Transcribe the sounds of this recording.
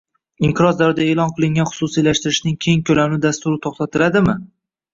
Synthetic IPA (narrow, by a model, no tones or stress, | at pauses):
ɪŋqʰɨɾɒzd̪aɾɪd̪ae̞ːlɒnqʰɨlˠɪŋɡʲanχʊ̥susijlaʃt̪ɪɾɪʃnɪŋkʲʰe̞ŋkʲʰɵlamnɪd̪ast̪ʊɾɪt̪ʰoχt̪ʰat̪ʰɪlad̪ɪmɪ